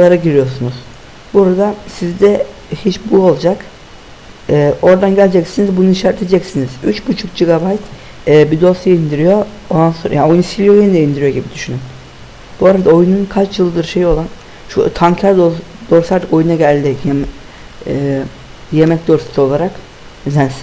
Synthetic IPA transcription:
alˠaɾaɟiɾijo̞sunuz̥ | buɾad̪asizd̪ɛ | hit͡ʃbuo̞lˠd͡ʒak | ɛːʔo̞ɾd̪anɟælʲd͡ʒɛcsinizbunuiʃaɾt̪ʰed͡ʒɛcsiniz̥yt͡ʃbut͡ʃʰukd͡ʒiɡabajt̪ː | bid̪o̞sjaind̪iɾijo̞ | ond̪ansoɾjao̞junusilʲijo̞jenid̪ɛind̪iɾijo̞ɟibid̪yʃynym | b̥uaɾad̪ao̞jununkʰat͡ʃjɯlˠɯd̪ɯɾʃe̞jo̞lˠan | ʃṵt̪ʰaŋcʰaɾd̪o | d̪̥o̞ɾsaɾd̪ɯko̞junaɟælʲd̪ɪjɛm | ɛː | je̞mɛcd̪oɾsi̥t̪ʰo̞lˠaɾak | zæns

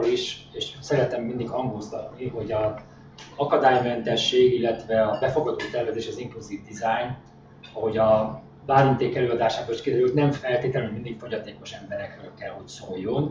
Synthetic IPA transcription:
liʃeːʃsɛɾɛt̪ɛmːind̪ikhɒŋɡoːzd̪ɒ̰t̪niɦo̞ɟɒ | ɒkɒd̪aːjmɛnt̪ɛʃːeːɡilːɛt̪vɛɒbɛfo̞ɡɒd̪oːt̪ɛrvɛzeːʃɒzimpoziːvd̪izajn | ɒɦo̞ɟɒ | baːɾont̪eːkɛløːɒd̪aːʃaːboiʃkid̪ɛɾylt̪nɛɱfɛlt̪eːt̪ɛlymind̪ikfo̞ɟɒt̪eːko̞ʃɛmbɛɾɛkʋɛløkːɛlhocsojːon

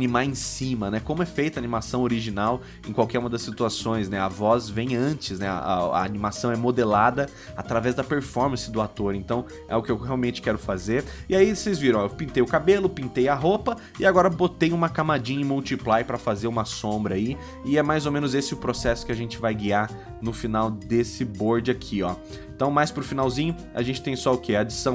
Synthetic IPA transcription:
animaẽsĩmɐnɛkõmʊɛfejt̪ʊɐanimasɐ̃w̃oɾiʒinaw | ẽkwawkɛɾumɐd̪ɐsːit̪uasõj̃snɛɐvɔzvẽj̃ɐ̃nt͡ʃɪsnɛ̰a̰ːnimasɐ̃w̃ɛmod̪elad̪ɐ | at̪ɾavɛzd̪ɐpeɾfɔɾmɐ̃sɪd̪ʊat̪oɾẽnt̪ɐ̃w̃ | ɛ̰ʊkɪewheawmẽnt͡ʃɪ̥kɛɾʊfazeɾɪaisejzviɾɐ̃w̃ewpĩnt̪ejʊkabelʊpĩnt̪ejɐɦopɐ | ɪaɡɔɾɐbot̪ejũmɐkamad͡ʒĩɲɐmuwt͡ʃiplajpɾɐfazeɾũmɐsõmbɾɐi | ɪɛmajzomẽnʊzesɪʊpɾosɛsʊ̥kɪaʒẽnt͡ʃɪvajɡiaɾ | nʊfinawd̪esɪboɾd͡ʒɪakʰiɔ | ẽt̪ɐ̃w̃majspɾʊfinawzĩɲʊ | a̰ʒẽnt͡ʃɪ̥t̪ẽj̃sɔʊkeɐːd͡ʒisɐ̃w̃

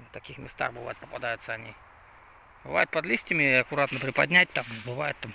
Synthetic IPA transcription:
t̪akʲixmʲɪst̪a̰xbɨva̰jʊt̪̚pɐpad̪ajʊt̪səɐnʲi | bɨva̰jʊt̪̚pɐd̪lʲisʲtʲɪmʲɪɐkʊɾat̪nəpɾɪpad̪ʲnʲætʲt̪ambɨvajʊt̪t̪ːam

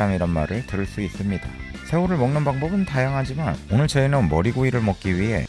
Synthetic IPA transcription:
aŋiɾʌnma̰ɾɯɭtɯɾɯɭs͈uis͈ɯmɲida̰ | sʰe̞uɾɯɭmʌŋnɯnbaŋbʌbɯntajaŋɦad͡ʑimanonɯɭt͡ɕʌenʌnmʌɾiɡoiɾɯɭmʌk̚k͈iɥiɦe̞̰

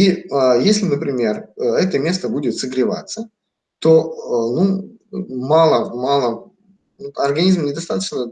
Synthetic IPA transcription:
iəjesʲlʲɪnəpɾʲɪmʲe̞rəɛt̪əmʲe̞st̪əbudʲɪt̪sɨɡɾʲɪva̰t̪sːə | t̪o̞nu | malˠəmalˠə | uɐrɡɐnʲizmnʲɪd̪ɐst̪at̪ət͡ɕnə

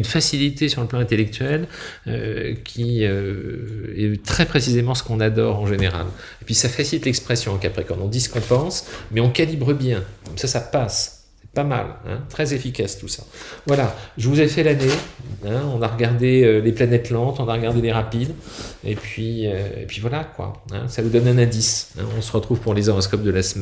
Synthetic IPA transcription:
ynfasilit̪esyʁləplɑ̃ɛ̃t̪elɛk̚t̪ɥɛlø̰kʲʰiø | ɛt̪χɛpχesizemɑ̃sə̥kɔ̃nad̪ɔʁɑ̃ʒeneʁa̰l | epɥisafasilit̪lɛkspχɛsjɔ̃ɑ̃kapχɛkɑ̃t̪ɔ̃d̪isə̥kɔ̃pɑ̃smɛɔ̃kʲalibʁəbjɛ̃kɔmsasapas | ɛ̥pama̰lɛ̰̃t̪χɛzefikʲast̪usa̰vwalaʒəvuzafɛlaneɛ̃ɔ̃naʁəɡaʁd̪eøleplanɛt̪lɑ̃t̪ɔ̃naʁəɡaʁd̪eleʁapid̪ḛpɥiøḛpɥivwalakwa̰ɛ̰̃savud̪ɔnɛ̃nɛ̃d̪isɛ̰̃ɔ̃səʁət̪χuv̥puʁlezɔʁɔs̬kɔp̚d̪əlasəmɛ

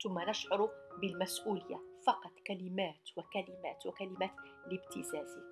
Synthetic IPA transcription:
t̪ʊmːanəʃʕʊɾʊbɪlmæsʔuːlɪjːa̰fɑqɑt̪ˤkælɪmæːt̪wakælɪmæ̰ːt̪wakælɪmæːt̪lɪbt̪ɪzæːzɪ

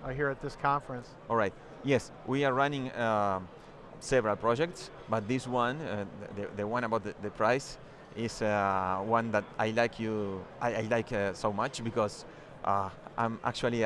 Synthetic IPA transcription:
aɦiɹɨt̪̚ðɪskʰɑ̃ɱfɹə̃nsʔɔlˠɹajt̪̚ | jɛs | wʔiaɹɹanɪ̃ŋa | sɛvəɹalpɹɔd͡ʒɛk̚ts | bat̪̚ðiswãnðəðəwãñabaʊwt̪əðəpʰɹajs | ɪswãnd̪ætajlajkʰjuʔajajlajksomat͡ʃbikɔz | ʔaʔã̰ma̰k̚t͡ʃuali

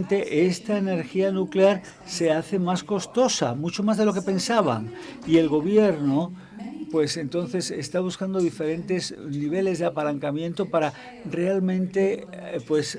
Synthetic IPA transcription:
nt̪e̞ʔest̪aene̞ɾxianukleaɾ | se̞aθe̞masko̞st̪o̞sa̰mut͡ʃo̞mazð̞e̞lo̞ke̞pe̞nsaβ̞a̰ŋie̞lɣo̞β̞jeɾno | pwe̞se̞nt̪o̞nθe̞sest̪aβ̞uskand̪oðife̞ɾe̞nt̪e̞zniβ̞e̞le̞zðeapalaŋkamjẽ̞nt̪o̞paɾa | realmẽ̞nt̪e̞pwe̞s

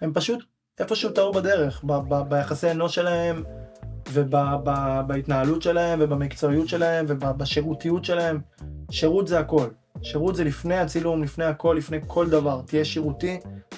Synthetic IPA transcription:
he̞mpaʃut̪ | ʔe̞fo̞ʃeumt̪aubade̞ʁe̞χbababajaχaseano̞ʃe̞lahe̞m | vebababait̪naɦalutʃe̞lahe̞mvebamikt͡soijutʃe̞lae̞mve̞babaʃiʁutijutʃe̞lahe̞m | ʃeʁut̪zeako̞l | ʃeʁut̪zelifne̞jat͡silumlifne̞jhako̞lːifne̞jkʰo̞ld̪avaʁtijeʃiʁuti

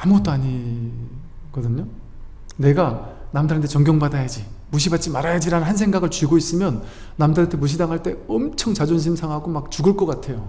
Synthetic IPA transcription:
amuɡʌt͈oaɲi | ɡ̥ʌdɯɲo | ne̞ɡanamdaɾɯntʰet͡ɕʌŋɡjʌŋbadajad͡ʑi | muɕ̬ʰibat̚t͡ɕ͈imaɾajad͡ʑiɾanɯnɦansʰeŋɡaɡɯɭt͡ɕuɡois͈ɯmjʌnː | amdaɾɯntʰemuɕ̬ʰidaŋɦaɭt͈e̞ʌmt͡ɕʰʌŋt͡ɕad͡ʑonɕʰimsʰaŋɦaɡomak̚t͡ɕuɡɯɭk͈ʌk͈atʰe̞jo

